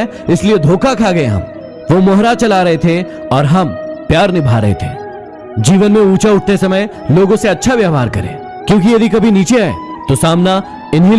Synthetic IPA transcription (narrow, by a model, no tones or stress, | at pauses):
ɪslied̪ʱoːkakʰaːɡɐeɦɐ̰̃m | ʋomɔɦɾat͡ʃɐlaɾɐɦet̪ʰe | ɔːɾɦɐmpjaːɾnɪbʱaɾɐ̰ɦḛt̪ʰḛː | d͡ʒiːʋənmẽuːt͡ʃaʊʈ̚ʰt̪esɐməj | loːɡõseɐtːʃʰaʋjaːɦaːɾkɐɾḛ̃ː | kjõːk̬ijɐd̪ʱikɐbʱiniːt͡ʃeɛ̰ː | t̪osaːmna | ɪnɦĩ